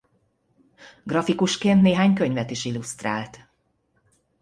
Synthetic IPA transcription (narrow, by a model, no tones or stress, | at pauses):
ɡrɒfikuʃkeːnt̪neːɦaːɲkø̞ɲvɛt̪iʃilust̪ra̰ːlt̪